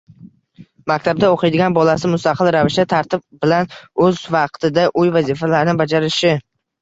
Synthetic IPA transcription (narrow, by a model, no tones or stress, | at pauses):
makʲt̪ʰab̚d̪aoqʰɪjd̪ɪɡʲanbɒlasɪmʊst̪aqʰɨlˠɾavɪʃt̪at̪ʰaɾt̪ɪb̚bɪlanɵzvɑq̚t̪ʰɪd̪aʔʊjvazifalaɾnɪbad͡ʒaɾɪʃɪ